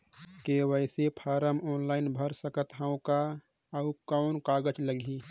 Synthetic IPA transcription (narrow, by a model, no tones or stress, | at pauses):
kewəɪsepʰaːɾəmɔːnlaːɪnbʱəɾsəkət̪ɦəõka | əukaʊnkaːɡəd͡ʒləɡʱi